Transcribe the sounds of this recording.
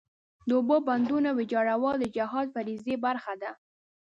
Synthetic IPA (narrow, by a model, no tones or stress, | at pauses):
d̪əoboband̪unawɪd͡ʒɑɽawɑld̪əd͡ʒaɦɑd̪faɾizebaɾxad̪a